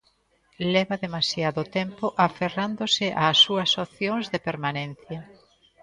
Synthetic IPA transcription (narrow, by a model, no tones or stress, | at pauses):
lɛβɐðemasjaðʊt̪ɛmpoʔaferand̪osɪʔaːsːuɐsoθjoŋzðepeɾmanẽn̟θjɐ